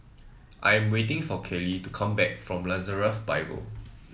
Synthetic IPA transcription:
ʔajɛ̃mwetɪ̃ŋfɔkʰɛlitukʰãmbɛk̚fɹɔ̃mlazəɹəfbaɪbə̰l

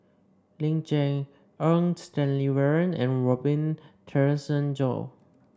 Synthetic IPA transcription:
lĩŋd͡ʒɛ̃ŋ | ənstɛ̃nliwɛɹə̃nɛ̰̃nɹɔbĩntʰɛɹɪsə̃nd͡ʒɔ̰

